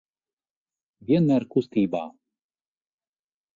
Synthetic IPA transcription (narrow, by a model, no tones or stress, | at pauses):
vʲiɛnmæːɾkust̪iːba̰ː